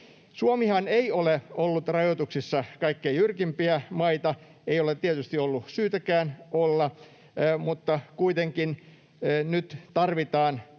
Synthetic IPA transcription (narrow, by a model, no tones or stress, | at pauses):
suomihɑneioleolːut̪rɑjot̪uksisːɑkɑikːeijjyrkimpiæmɑit̪ɑ | eijolet̪t̪iet̪yst̪iolːusyːt̪ækæːnolːɑ | mut̪ːɑkuit̪eŋkinː | nyt̪t̪ɑrʋit̪ɑːn